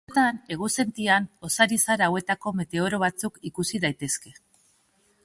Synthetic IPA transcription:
t̪ane̞ɣuse̞nt̪iano̞saɾisaɾaːwe̞t̪ako̞me̞t̪e̞o̞ɾo̞β̞at͡sukikusiðajt̪e̞ske̞

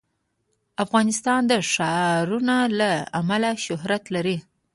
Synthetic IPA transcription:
afɣɑnɪst̪ɑnd̪əʂɑɾunalaamalaʃʊhɾat̪laɾi

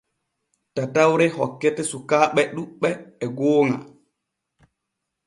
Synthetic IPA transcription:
tatawɾɛhɔkːɛtɛsukaːɓɛɗuɓːɛːɡoːŋa̰

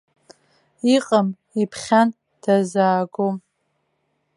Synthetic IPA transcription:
iqʼam | ipʰχʲan | d̥azaːɡom

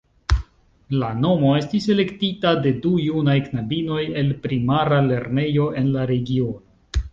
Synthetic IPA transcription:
lano̞mo̞e̞stise̞le̞ktitade̞dujunajknabino̞je̞lpɾimaɾale̞ɾne̞jo̞ʔe̞nlaɾe̞ɡio̞no

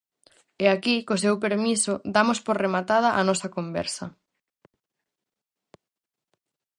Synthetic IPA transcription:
ɛakikos̬ewp̬eɾmisʊd̪amʊspoɾremat̪að̞ɐʔanɔsɐkombɛ̰ɾsɐ

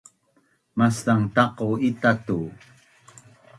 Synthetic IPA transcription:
mast̪aŋt̪ɑqoit̪at̪u

